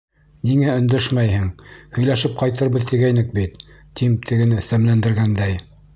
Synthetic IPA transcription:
niŋæɵ̆nd̪ɵʃmæjhɘŋhɵ̆jlæʃɘp̚qɑjt̪ɤɾβɤðt̪iɡæjnɘk̚bit̪ː | imt̪ʰɘ̆ɡɘ̆nɘsæmlænd̪ɘ̆ɾɡænd̪æj

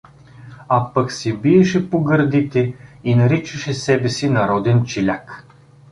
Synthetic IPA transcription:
apɐksibiɛʃɛpoɡəɾd̪it̪ɛinɐɾit͡ʃɐʃɛsɛbɛsinɐɾɔd̪ɛnt͡ʃɛlʲak

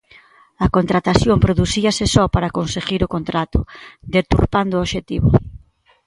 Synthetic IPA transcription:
ɐkont̪ɾat̪aθjompɾoðusiɐsɪsɔpaɾakonseɣiɾokont̪ɾat̪ʊd̪et̪uɾpand̪ʊoʃet̪iβʊ̰

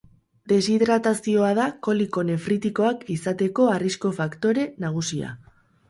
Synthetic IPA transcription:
d̪e̞siðɾat̪asio̞að̞ako̞liko̞ne̞fɾit̪iko̞akisat̪e̞ko̞arisko̞fakt̪o̞ɾe̞naɣ̞usia̰

